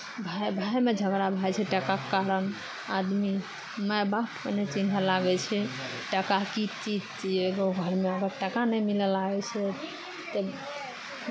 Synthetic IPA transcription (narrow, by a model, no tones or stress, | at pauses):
bʱajbʱajmed͡ʒʱəɡɾabʱajt͡ʃʰɛʈəkakekaɾən | ad̪mi | məbapmənet͡ʃinɦəlaɡɛt͡ʃʰɛ | ʈəkakid͡ʒt͡ʃid͡ʒt͡ʃieɡoɡʱəɾmeəɡəɾʈəkanəjmiləlaɡɛt͡ʃʰɛ | t̪ɔ